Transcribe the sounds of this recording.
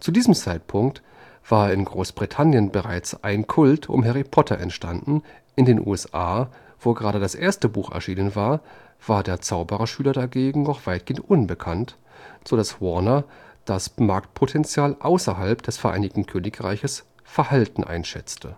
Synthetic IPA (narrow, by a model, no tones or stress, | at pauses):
t͡sudiːzəmt͡saɪt̚pʰʊŋk̚t | v̥aːɐɪnɡʁoːsb̥ʁitʰanjənbəʁaɪt͡sʔa̰ɪnkʰʊltʰʊ̰mɦɛʁipʰɔtʰɐʔɛ̰ntʃtʰandn̩ | ʔɪndeːnʔṵːɛsʔaː | v̥oːɡəʁaːɾədasʔeːɐstəbuːxɛ̰ɐʃiːnənvaːɐ | v̥aːɐdeːɐt͡saʊbəʁɐʃyːlɐdaɡeːɡŋ̩nɔχv̥aɪt̚ɡ̥eːəntʔʊnbəkʰant | z̥odaswɔɐnɐd̥asmaɐk̚t̚pʰotʰɛnt͡sjaːlʔaʊsɐɦalpd̥ɛsfɛɐʔaɪnɪçtn̩kʰøːnɪkʁa̰ɪçəs | fɛɐhaltn̩ʔa̰ɪnʃɛ̰t͡stʰə